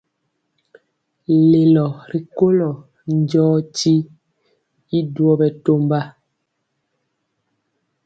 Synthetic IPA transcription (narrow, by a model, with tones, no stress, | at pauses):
le˨lɔ˨ɾi˨ko˦lɔ˨ | n˦d͡ʒɔː˦ti˦ | i˦dwɔ˦bɛ˨to˦mba˦